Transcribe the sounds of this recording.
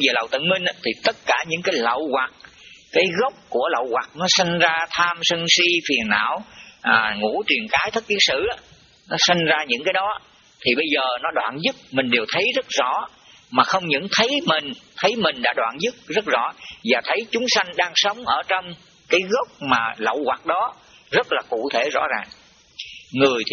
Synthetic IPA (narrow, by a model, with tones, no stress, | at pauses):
ve˨˩lə̰˨wt̪ə̰˧˨nmï˧ŋ̟ʔa˧˦t̪ʰi˨˩t̪ə˦˥t̚kaː˧˩ɲɨ̰˧˥ŋkaː˨˦jlə̰˧˨wɣwa˨˩k̚ | kaː˨˦jɣə˦˥wk͡p̚ku˧˩ələ̰˧˨wɣwa˨˩k̚nɔ˨˦sa˧ŋ̟zaː˧t̪ʰaː˧msə˧ŋsi˧fi˨˩ənːa̰ː˧˨wʔːŋṵ˧˥t͡ɕwi˨˩ənkaː˨˦jt̪ʰk̚k̪i˨˦n̚sɨ̰˧˨ʔa˨˦ | nɔ˨˦sa˧ŋ̟zaː˧ɲɨ̰˧˥ŋkaː˨˦jɗɔ˨˦ | t̪ʰi˨˩ɓə˧jzəː˨˩nɔ˨˦ɗwa̰ː˧˨nzɨ˦˥t̚mï˨˩ŋ̟ɗe˨˩wt̪ʰə˨˦jzə˦˥t̚zɔ̰˧˥ | maː˨˩xə˧wŋ͡mɲɨ̰˧˥ŋt̪ʰə˨˦jmï˨˩ŋ̟t̪ʰə˨˦jmï˨˩ŋ̟ɗa̰ː˧˥ɗwaː˧˨nzɨ˦˥k̚zə˦˥t̚zɔ̰˧˥vaː˨˩t̪ʰə˨˦jt͡ɕʊ˨˦ŋ͡msa˧jŋ̟ɗaː˧ŋsə˨˦wŋ͡mʔəː˧˩t͡ɕɔ˧wŋ͡m | kaː˨˦jɣə˦˥k͡p̚maː˨˩lə̰˧˨wɣwaː˨˩k̚ɗɔ˨˦ | zə˦˥t̚laː˨˩kṵ˧˨t̪ʰe˧˩zɔ̰˧˥zaː˨˩ŋ | ŋɨ˨˩əjt̪ʰ